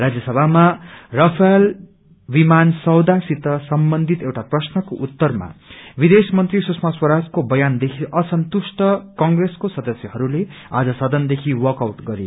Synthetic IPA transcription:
rad͡zjʌsʌbʱamarʌpʰʌjl | bimansʌwd̪asit̪ʌsʌmbʌnd̪ʱit̪ewʈaprʌsnʌkoʔut̪ːʌrma̰bid̪esmʌnt̪risusʰmaswʌɾad͡zkobʌjand̪ekʰiʔʌsʌnt̪usʈʌkʌŋɡreskosʌd̪ʌsjʌɦʌɾulea̰d͡zʌsʌd̪ʌnd̪ekʰiwʌkawʈɡʌɾḛ

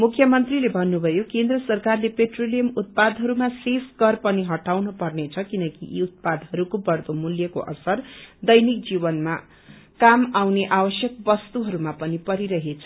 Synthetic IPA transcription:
mukʰjʌmʌnt̪rilebʱʌnːubʱʌjokend̪rʌsʌrkarlepeʈrolijʌmut̪̚pad̪ɦʌɾumasesɡʌrpʌniɦʌʈawnupʌrnet͡sʰʌkinʌkiʔḭut̪̚pad̪ɦʌɾukopʌrt̪omuljʌko̰ʔʌ̰sʌrd̪ʌjnik̚d͡zibʌnma | kamawneʔabʌsjʌk̚bʌst̪uɦʌɾumapʌnipʌɾiɾʌɦet͡sʰʌ̥

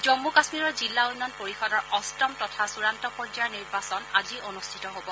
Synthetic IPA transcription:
zɔmːukasmiɹɔɹzilːaujnːɔnpoɹixɔdɔɹʔɔstɔmtɔtʰasuɹantɔpɔd͡ʒaɹniɹbasɔnazionustʰitɔɦobɔ

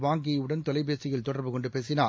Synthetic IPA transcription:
ʋaːŋɡɪjɐɯɽɐnt̪ɔlɐɪbeːsɪɣɐɭt̪ɔɽɐɾbɯkɔɳɖɯpeːsɪnaː

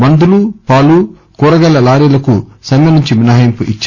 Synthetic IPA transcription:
mɐnd̪ulupaːlu | kuːɾɐɡɐlːɐlaːɾilɐkusɐmjɐnuɲt͡ʃiminɐːɦjɐmpuʔit͡ʃː

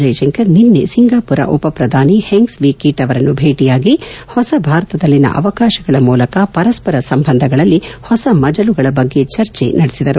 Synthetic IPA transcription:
d͡ʒɐjʃɐŋkɐɾninːḛsiŋɡaːpuɾɐ̰ʔupɐpɾɐd̪ʱaːniheŋɡsʋikiʈɐʋɐɾɐnːubʱeːʈijaːɡihɔsɐbʱaːɾɐt̪ɐd̪ɐlːinɐ̰ʔɐ̰ʋɐkaːʃɐɡɐɭɐmuːlɐkɐpɐɾɐspɐɾɐsɐmbʱɐnd̪ʱɐɡɐɭɐlːihɔsɐmɐd͡ʒɐluɡɐɭɐbɐɡːe̞t͡ʃɐɾt͡ʃḛnɐɽesid̪ɐɾu

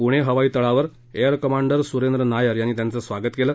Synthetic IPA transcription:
puɽ̃eɦəʋaiːt̪əɭaʋəɾ | ejəɾkəmaɳɖəɾsuɾend̪ɾənajəɾjanːiːt̪jant͡səsʋaɡət̪keləː

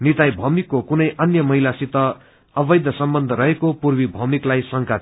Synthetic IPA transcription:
nit̪ajbʱʌmikːokunʌjʔʌnjʌmʌɦilasit̪ʌː | bʌjd̪ʱʌsʌmbʌnd̪ʱʌɾʌɦekopurwibʱʌmiklajsʌŋka

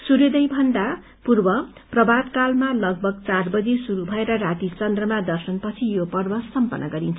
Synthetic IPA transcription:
suɾed̪ʌjbʱʌnd̪a | purbʌprʌbad̪kalmalʌɡ̚bʱʌɡ̚t͡sarbʌd͡zesuɾubʱʌeɾʌrat̪it͡sʌnd̪rʌmad̪ʌrsʌnpʌt͡sʰijopʌrbʌsʌmpʌ̰nʌɡʌɾint͡sʰʌ

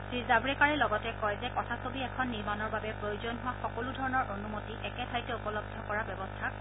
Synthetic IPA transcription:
ɹizabɹɛkaɹɛlɔɡɔtɛkɔjzɛkɔtʰasobiɛkʰɔnːiɹmanɔɹbabɛpɹojozɔnɦʊwaxɔkoludʱɔɹɔnɔɹʔonumotiʔɛkɛtʰajtɛupɔlɔb̚d̪ʱːɔkɔɹabɔbɔstʰa

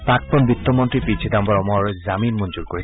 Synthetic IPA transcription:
pak̚pɔnbit̪ːɔmɔntɹipit͡ʃʰidambɔɹɔmɔɹzaminmund͡ʒuɹkoɹi

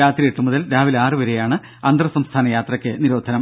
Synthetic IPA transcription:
aːt̪rijeʈːumuðɐlɾaːʋilaːrɨʋɐɾejaːɳɨ | ɐnd̪rɐsɐmst̪ʰaːnɐjaːt̪rɐkʲːɨniɾoːd̪ʱɐnɐm

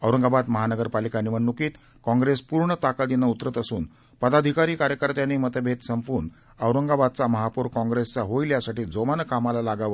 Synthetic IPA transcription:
əwɾəŋɡabad̪məɦanəɡəɾpalikaniʋəɳːukiːt̪ | kɔ̃ŋɡɾespuɾɳət̪akad̪inaut̪ɾət̪əsuːn | pəd̪ad̪ʱikaɾiːkaɾjəkəɾt̪janimət̪əbʱet̪səmfuːn | əwɾəŋɡabad̪̚t͡saməɦapuɾkɔ̃ŋɡɾest͡saɦojljasaʈiːd͡zomanəkamalalaɡaʋə

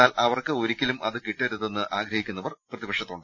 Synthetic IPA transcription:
aːlɐʋɐrkɨo̞ɾikʲːɐlumʔɐðɨkiʈːɐɾuðenːɨʔaːɡɾɐhikʲːunːɐʋɐrprɐðibɐkʂɐt̪ːoːɳɖɨ

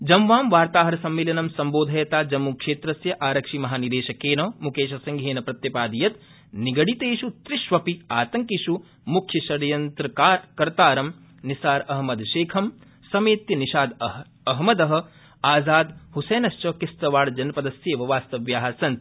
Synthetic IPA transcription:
d͡ʒɐmʋaːmʋaːɾt̪aːɦɐɾɐsɐmːeːlɐnɐmsɐmboːd̪ʱɐjɐt̪aːd͡ʒɐmːukʂeːt̪ɾɐsjɐʔaːɾɐkʂimɐɦaːnid̪eːʃɐkeːnoːmukeːʃɐsɐŋɡʱeːnɐpɾɐt̪jɐpaːd̪ijɐt̪ | niɡɐɽit̪eːʃut̪ɾɪʃʋɐpiaːt̪ɐŋkiʃu | mukʰjɐʃɐɾjɐnt̪ɾɐːkɐɾt̪aːɾɐm | nisaːɾɐɦmɐd̪ʃeːkʰɐm | sɐmeːt̪jɐniʃaːd̪ | ɐɦmɐd̪ɐɦɐ̆ | aːzaːd̪huseːnɐʃt͡ʃɐkɪst̪ɐʋaːɽd͡ʒɐnɐpɐd̪ɐsjeːʋɐʋaːst̪ɐʋjaːɦɐsɐnt̪

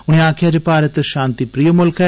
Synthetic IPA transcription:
ʊnĩaːkʰijaːd͡ʒepaːɾət̪ʃãːnt̪ipɾijəmʊlkʰɛ

